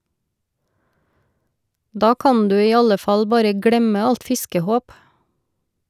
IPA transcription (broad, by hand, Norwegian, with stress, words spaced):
ˈdɑː ˈkɑn ˈdʉː ˈiː ˈɑlə ˈfɑl ˈbɑːɾə ˈɡɽɛmə ˈɑlt ˈfɪskəˌhoːp